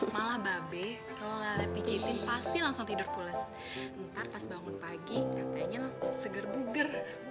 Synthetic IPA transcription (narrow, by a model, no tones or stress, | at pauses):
malahbabɛ | kalolalapid͡ʒit̪ɪnpast̪ilaŋsʊŋt̪idʊrpulɛs | t̪arpasbaŋʊnpaɡikat̪aɲasəɡərbuɡər